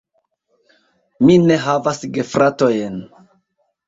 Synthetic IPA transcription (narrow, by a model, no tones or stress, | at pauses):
mine̞ɦavasɡe̞fɾʔato̞jen